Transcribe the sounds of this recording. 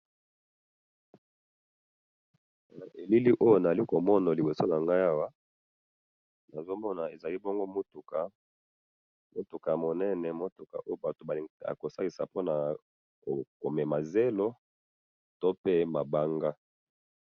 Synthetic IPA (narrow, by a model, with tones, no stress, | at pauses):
na˨ʔe˨li˦li˦ʔo˦jo˨na˨a˨li˦ko˨mɔ˦na˨li˨bo˨so˦na˨ŋɡa˦ja˦wa˦ | na˨zo˦mɔ˦na˨e˨za˨li˦bo˦ŋɡo˦mo˦tu˨ka˨ | mo˦tu˨ka˨mo˨nɛ˦nɛ˨mo˦tu˨ka̰˨ʔo˦jo˦ba˨to˨ba˨a̰˨ko˨sa˦ki˨sa̰˨po˦na˨ | ko˨ko˨mɛ˨ma˨ze˦lo˦ | to˦pe˦ma˨ba˦ŋɡa˦